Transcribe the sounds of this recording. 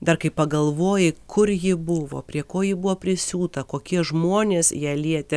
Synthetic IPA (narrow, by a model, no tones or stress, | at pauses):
d̪ɐrkɐɪpɐɡɐlˠʋoːjɪkʰʊɾjɪbʊʋo̰ːpʲɾʲiɛkoːjɪbʊʋoːpʲɾʲɪsʲuːt̪ɐkoːkʲiɛʒmoːnʲeːsjiɛlʲiɛt̪ʲɪ